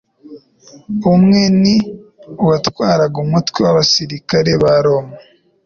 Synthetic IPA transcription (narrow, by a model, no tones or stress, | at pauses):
umŋeniuwatwaːɾaɡumutwewaβasiɾikaɾe̞βaɾoma